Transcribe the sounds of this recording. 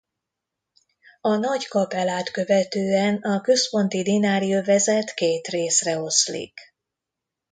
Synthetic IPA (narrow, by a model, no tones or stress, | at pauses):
ɒnɒɟkɒpɛlaːt̪kø̞vɛt̪øːɛnɒkø̞spo̞nt̪id̪inaːɾiovɛzɛt̪keːt̪reːsrɛo̞slḭk